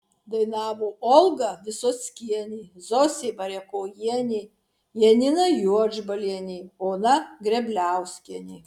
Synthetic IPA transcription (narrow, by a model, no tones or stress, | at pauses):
d̪ɐɪnɑːʋoːʔɔlˠɡɐʋʲɪsoːsʲkʲiɛnʲiːzɔsʲebɐɾʲɛkoːjiɛnʲi | jɛnʲɪnɐjuɔd͡ʒbɐlʲiɛnʲiːoːnɐɡɾʲɛbʲlʲæˑʊsʲkʲiɛnʲiː